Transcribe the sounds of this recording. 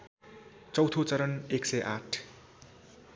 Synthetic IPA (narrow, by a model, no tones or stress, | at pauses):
t͡sʌwt̪ʰot͡sʌɾʌneksʌjʔaʈʰ